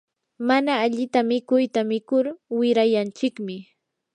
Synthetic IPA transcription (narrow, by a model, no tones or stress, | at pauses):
manaːʎɪt̪amɪkʊjt̪amɪkʊɾwɪɾajant͡ʃɪkmɪ